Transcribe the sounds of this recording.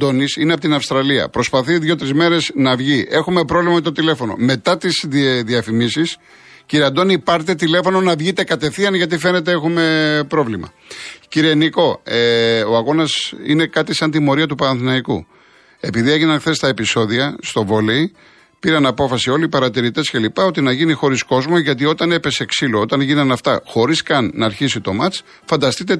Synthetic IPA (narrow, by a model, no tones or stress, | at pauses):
d̪o̞nisineɐpot̪inɐfst̪ɾɐliɐ̰pɾo̞spɐθiðʝo̞t̪ɾizme̞ɾe̞znɐvʝiʔe̞xume̞pɾo̞vlimɐmet̪o̞t̪ile̞fo̞no̞̰me̞t̪ɐt̪isðiɐfimisis | ciɾiɐnd̪o̞nipɐɾt̪et̪ile̞fo̞no̞nɐvʝit̪e̞kɐt̪e̞θiɐnʝɐt̪̬ife̞ne̞t̪e̞exume̞pɾo̞vlimɐ̰ | ciɾieniko̞eo̞ɐɣo̞nɐsḭne̞kɐt̪isɐnt̪imo̞ɾiɐt̪upɐɾɐnθinɐiku | e̞piðie̞ʝinɐnxθe̞st̪ɐe̞piso̞ðiɐst̪o̞vo̞lei | piɾɐnɐpo̞fɐsio̞lipɐɾɐt̪iɾit̪e̞sce̞lipɐo̞t̪inɐʝinixo̞ɾisko̞zmoʝɐt̪̬io̞t̪ɐne̞pe̞seːksiloot̪ɐnʝinɐnɐft̪ɐ̰xo̞ɾiskɐnːɐːɾçisit̪o̞mɐt͡s | fɐnd̪ɐst̪it̪e̞